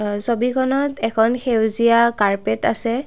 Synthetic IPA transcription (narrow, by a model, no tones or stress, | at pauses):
sobikʰɔnɔtɛkʰɔnxewziakaɹpeta̰sɛ